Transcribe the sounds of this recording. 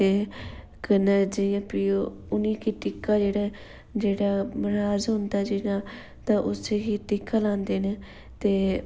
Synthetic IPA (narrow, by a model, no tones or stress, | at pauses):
eː | kənəd͡ʒɪjãːpɾiːjoː | ʊnĩːkiːʈɪkːaːd͡ʒeːɽaː | d͡ʒeːɽaːməɾaːzɦʊ̃nd̪aːd͡ʒɪnaː | t̪ãːʔʊseɦiːʈɪkːaːlãːnd̪eːneː | t̪eː